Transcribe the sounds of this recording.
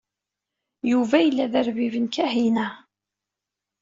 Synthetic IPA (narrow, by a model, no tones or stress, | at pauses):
juvæjəlːæðəɾvivənkæhinæ